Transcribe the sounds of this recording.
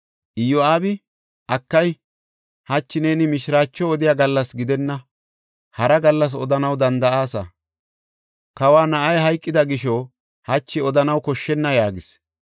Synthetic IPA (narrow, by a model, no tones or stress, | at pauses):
ʔɪjɔaːbɪ | ʔɐkːɐj | hɐt͡ʃːɪne̞ːnɪmɪʃɾaːt͡ʃːɔɔd̪ɪjaːɡɐlːɐsɡɪd̪ɛnːɐ | hɐɾɐɡɐlːɐs̬ɔd̪ɐnɐwd̪ɐnd̪ɐʔaːsɐ̰ | kɐwaːnɐʔɐjɦɐjkʼːɪd̪ɐɡɪʃɔ | hɐt͡ʃːɪɔd̪ɐnɐwkɔʃːɛnːɐjaːɡɪs